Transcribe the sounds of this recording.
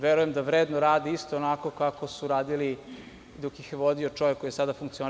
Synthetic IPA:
ʋeɾujemd̪aʋɾeːd̪noɾaːd̪iist̪oːnako̞kako̞suɾaːd̪ili | d̪okjixjeʋo̞d̪iot͡ʂo̞ʋekːojesad̪afuŋk̚t̪sio

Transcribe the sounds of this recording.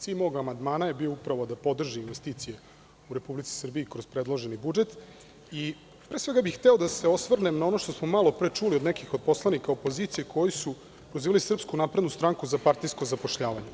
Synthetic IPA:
t̪imooɡamand̪maːnaje̞bioupɾaʋo̞d̪apo̞d̪r̩ʒiːnʋe̞st̪iːt̪sije̞ | uɾe̞publit̪si̥sr̩biikɾo̞z̥pɾe̞d̪lˠoʒenibud͡ʒe̞t̪ | i | pɾe̞ːsʋe̞ɡabixxt̪eo̞d̪ase̞o̞sʋr̩nemnao̞no̞ʃt̪o̞smo̞malˠo̞pɾet͡ʂulio̞d̪nɛkixod̪̚po̞slˠanikaopo̞ziːt̪sije̞kʰo̞jisu | pɾoziːʋalisr̩pskunapɾe̞d̪nust̪ɾaŋkuzapaɾt̪ijsko̞zapo̞ʃʎaːʋaɲe

